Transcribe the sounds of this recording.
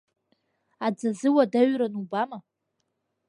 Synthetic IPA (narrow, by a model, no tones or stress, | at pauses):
ad͡zazɨwadaɥɾanubama